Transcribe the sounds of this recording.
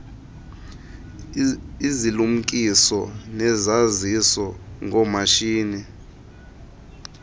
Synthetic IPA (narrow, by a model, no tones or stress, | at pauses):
izilum̩kʼisɔnɛzazisɔŋɔmaʃiːni